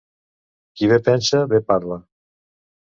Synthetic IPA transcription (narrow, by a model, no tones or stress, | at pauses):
kiβepɛnsaβepaɾla